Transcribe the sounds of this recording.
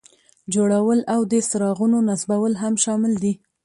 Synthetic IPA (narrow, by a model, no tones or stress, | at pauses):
d͡ʒoɽawəlawd̪əst̪ɪɾɑɣunonasbawəlɦamʃɑmɪld̪i